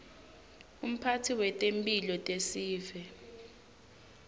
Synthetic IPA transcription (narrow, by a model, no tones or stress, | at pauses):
um̩pʰatʰiwɛtʼempʼilɔtʼesiːvɛ